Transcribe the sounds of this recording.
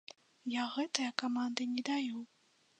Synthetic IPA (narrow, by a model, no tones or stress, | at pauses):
jaɣɛt̪ɨjɐkamand̪ɨnʲɛd̪aju